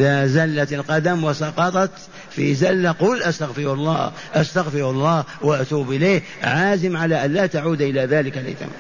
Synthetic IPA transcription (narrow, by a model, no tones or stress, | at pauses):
ðazalːat̪alqɑd̪amwɑsɑqɑt̪ˤɑt̪ | fizalːaqʊːlʔast̪aɣfɪɾʊlˤːɑ̰ː | ʔast̪aɣfɪɾʊɑlˤːɑːhwaʔat̪uːbʔɪlejh | ʕaːzɪmʕalaʔanlaːt̪aʕuːd̪ʔɪlaðaːlɪkalʔɪ̰t̪a̰m